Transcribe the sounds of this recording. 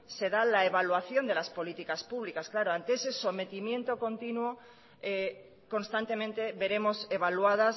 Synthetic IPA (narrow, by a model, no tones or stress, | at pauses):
se̞ðalaeβalwaθjo̞nd̪e̞laspo̞lit̪ikaspuβ̞likasklaɾoant̪eese̞so̞me̞t̪imjẽ̞nt̪o̞ko̞nt̪inwo | e | ko̞nst̪ant̪e̞mẽnt̪e̞βe̞ɾe̞mo̞se̞βaluað̞as